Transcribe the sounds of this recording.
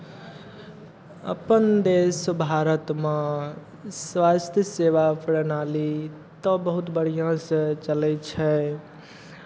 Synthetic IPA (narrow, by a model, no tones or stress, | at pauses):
ə̰pənd̪esbʱaɾət̪mẽ | swast̪ʰjəseʋapʰɾənali | t̪əbəɦut̪bəɽ̤ijãsə̃t͡ʃəlɛt͡ʃʰɛ